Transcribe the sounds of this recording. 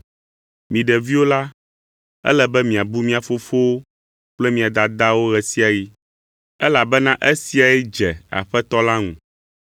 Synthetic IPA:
mĩ˨ɖɛ˨vi˦wo˦la˦ | ɛ̰˦lɛ˨bɛ˦mĩ˨a˨bu˦mĩ˦a˨fo˦fo˦o˦ | k͡plɛ˦mĩ˨a˨d̪a˨d̪a˦wo˦ɣɛ˨si˦a˨ji˦ | ɛ˦la˨bɛ˦nã˦ʔɛ˦si˦a˨ɛ˦d͡ʒɛ˨a̰˨ɸɛ˦t̪ɔ˦la˦ŋṵ̃˨

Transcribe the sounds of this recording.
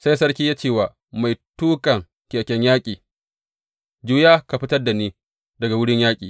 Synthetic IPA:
sa˦jsɐ˦ɽkʲiː˦jaː˦t͡ʃeː˦˨waː˨ | ma˨jtuː˦kʼɐ˨ŋ | kʲe˨kʲɛ˦ɲjaː˦kʲʼiː˨ | d͡ʒuː˦jaː˦ka˨ɸɪ˦tɐ˦rda˨niː˦ | dɐ˨ɡa˨wʊ˦ɽɪ˦ɲjaː˦kʲʼḭː˨

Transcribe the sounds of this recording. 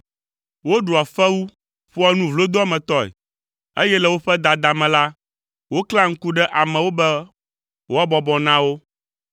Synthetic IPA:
wo˦ɖu˨a˨fɛ˦wu˦ | ɸu˦a˦nũ˦vlo˦d̪o˦a˦mɛ̃˨t̪ɔ˦ɛ̰˨ | e˦jɛ˦lɛ˨wo˦ɸɛ˦d̪a˨d̪a˨mɛ̃˨la˦ | wo˦kla˦ŋ̩˦ku˦ɖɛ˦ʔa˨mɛ̃˨wo˦bɛ˦ | wʔo˦a˦bɔ˨bɔ˨nã˦wo˦

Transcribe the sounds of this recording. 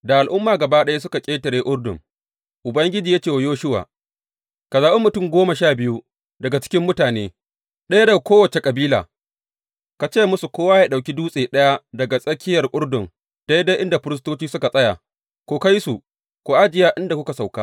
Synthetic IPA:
da˨ʔa˨lʔʊ˦mːaː˨ɡɐ˨baː˦ɗɐ˦ja˦s̬ʊ˦ka˨kʲʼeː˦tɐ˨ɾeː˦ʔʷʼʊ˦ɽdʊ̰˨ŋ | ʔʊ˨bɐ˦ŋɡʲɪ˦d͡ʒiː˨jaː˦t͡ʃeː˦˨wa˨joː˦ʃʊ˦wa̰ː˨ | ka˨zaː˨ɓe˦mʊ˨tʊ˦˨mɡʷoː˦ma˨ʃaː˦˨bɪ˦ju˦ | dɐ˨ɡa˨t͡ʃɪ̥˦kʲɪ˦mːʊ˦taː˨neː˦ | ɗɐ˦ja˦da˨kʷoː˦wɐ˨t͡ʃe˨kʼɐ˨biː˦la̰ː˨ | ka˨t͡ʃeː˦˨mʊ˦su˨kʷoː˦waː˦jaː˨ɗa˨wkʲi˦duː˦sʼeː˨ɗɐ˦ja˦dɐ˨ɡa˨sʼɐ˦kʲɪ˦jɐ˨rkʼʊ˦ɽdʊ˨ŋ | d̥a˦jda˦jʔɪ˦nda˨ɸɪ˦ɾɪ˦s̬toː˦t͡ʃiː˦sʊ˦ka˨sʼɐ˦ja̰˨ | kʷoː˨ka˦jsu˨ | koː˨ʔa˦d͡ʒɪ˨jaː˦ʔɪ˦nda˨kʷʊ˦ka˨sa˨wkaː˦

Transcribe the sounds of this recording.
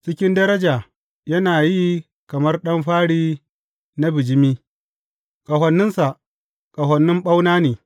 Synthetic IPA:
t͡ʃɪ˦kʲɪ˦ndɐ˦ɾɐ˦d͡ʒaː˨ | jɐ˦naː˨ji˦ | kɐ˨mɐ˦rɗɐ˦mɸaː˦ɽiː˦ | na˦bɪ˨d͡ʒɪ˦miː˦ | kʼɐ˨ɦɐ˨nːɪ˦nsa˨ʔ | kʼɐ˨ɦɐ˨nːɪ˦mɓa˦wnaː˦neː˨

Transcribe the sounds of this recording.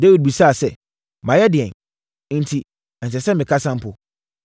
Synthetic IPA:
de˦wi˨d̚bi˨sa˦˨sɛ˦˨ | mã˨jɛ˦dɪ˨ɛ̃˨n˦ | n̩˨tʰi˨ | ɛ̃˨ns̬ɛ˨sɛ˦mɪ̃˨kʰa˦sã˦m˦pʊ˨

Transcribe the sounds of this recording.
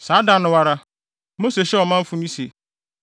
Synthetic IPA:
saː˨˦da˨nʊ̃˨wa˦ɾa˦ | mo˦se˨ɕɛ˦ɔ˨mã˦m̩˦fʊ̃˦mĩ˦se˨

